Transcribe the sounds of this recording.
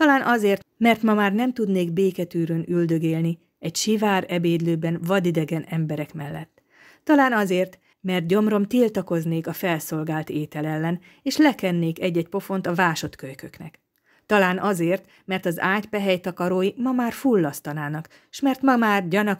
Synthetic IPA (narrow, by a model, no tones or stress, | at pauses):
t̪ɒlaːnʔɒzeːrt̪mɛrt̪mɒmaːrnɛmt̪ud̪neːɡbeːkɛt̪yːɾønyld̪ø̞ɡeːlni | ɛcʃivaːɾɛbeːd̪løːbɛnvɒd̪id̪ɛɡɛnɛmbɛɾɛkmɛlːɛt̪ː | ɒlaːnɒzeːrt̪ | mɛrt̪̚ɟo̞mro̞mt̪ilt̪ɒko̞zneːkɒfɛlso̞lɡaːlt̪eːt̪ɛlɛlːɛn | eːʃlɛkɛnːeːkɛɟːɛc̚po̞fo̞nt̪ɒvaːʃo̞t̪køjkøknɛ̰k | t̪ɒlaːnʔɒzeːrt̪ | mɛrt̪ɒzaːcpɛɦɛjt̪ɒkɒɾoːjimɒmaːrfulːɒst̪ɒnaːnɒk | ʃmɛrt̪mɒmaːrɟɒnɒ